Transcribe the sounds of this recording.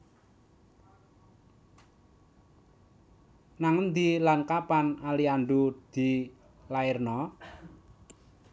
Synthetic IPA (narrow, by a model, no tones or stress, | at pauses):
naŋənd̪ilankapanalianɖud̪̥i̤ | laɪrnɔ